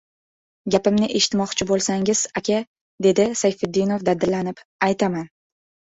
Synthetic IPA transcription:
ɡʲapɪmnɪʔe̞ʃɪ̥t̪mɒqt͡ʃʰɪbolˠsaŋʲɪz̥akʲʰa | d̪e̞d̪ɪsajfɪd̪ːɪnovd̪ad̪ːɪɾlanɪpajt̪ʰaman

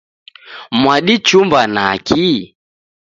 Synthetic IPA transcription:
mwaɗit͡ʃumbanakʰi

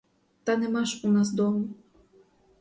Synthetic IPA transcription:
t̪anɛmaʂunasd̪ɔmu

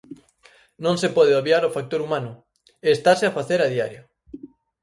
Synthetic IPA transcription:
nõŋsepɔðeoβjaɾofak̚t̪oɾumanʊ | eːst̪aseafaθeɾaðia̰ɾjʊ

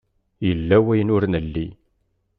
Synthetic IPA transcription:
jəlːæwæjnʊɾnəlːi

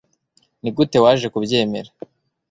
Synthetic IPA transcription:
niɡute̞waːʒe̞kubje̞ːme̞̰ɾa

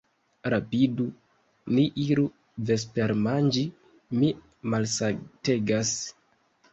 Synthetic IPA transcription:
ɾapidu | niʔiɾu | ve̞s̬peɾmand͡ʒi | mi | malsate̞ɡas

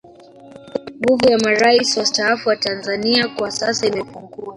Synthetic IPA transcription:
ŋɡuvujamaɾaisiwastaafuwatanzaniakwasasaimɛpuŋɡua

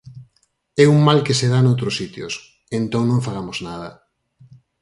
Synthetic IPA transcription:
ɛuŋmalkeseðanowt̪ɾosit̪jos | ent̪õŋnõŋfaɣ̞amoznað̞ɐ̰

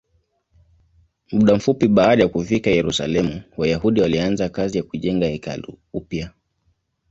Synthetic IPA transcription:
muɗam̩fupiɓaːɗajakufikajɛɾusa̰lɛmuwajahuɗiwalianzakazijakuʄɛŋɡahɛka̰lṵupja

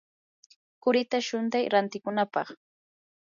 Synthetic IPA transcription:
kʊɾɪt̪aʃʊnt̪ajɾant̪ɪkʊnapɑχ

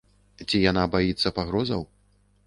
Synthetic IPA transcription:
t͡sʲijanabajit̪sːɐpaɣɾɔzɐ̰w

